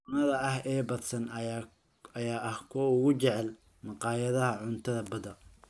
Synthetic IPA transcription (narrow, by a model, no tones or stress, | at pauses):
nɐðɐɐhɛːbɐd̪sɐn | ɐjaːʔɐhkʰɔːʊɣʊt͡ʃɛʕɛl | mɑqɑːjɐðɐɦɐʕʊnt̪ʰɐðɐbɐd̪ɐ